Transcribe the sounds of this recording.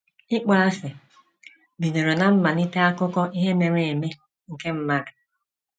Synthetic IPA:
ɪ˦k͡pa˦a˦sɪ˨ | bi˨no˨ɾo˨na˨m̩˦ma˨ni˦te˦a˦kʊ˦kɔ˦ʔi˦ɦe˦me˨ŋʷe˨e˨me˦ | ŋ̩˨ke˦m̩˦ma˦ɾɪ˨

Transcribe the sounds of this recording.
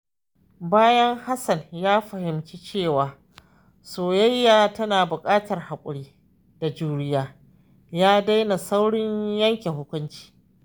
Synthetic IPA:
baː˦jɐ˦ŋha˦sɐ˨njaː˦ɸɐ˨hɪ˨mt͡ʃi˦t͡ʃeː˦˨waː˨ | soː˨jɐ˦jːaː˨tɐ˦naː˨bʊ˨kʼaː˦tɐ˨rha˨kʷʼʊ̰˨ɽiː˦ | d̥a˨d͡ʒuː˦ɽɪ˦jaː˦ | jaː˦da˦jna˨sa˦wɽɪ˦ɲjɐ˦ŋkʲe˨hʊ˦kʷʊ˦nt͡ʃi̥ː˦

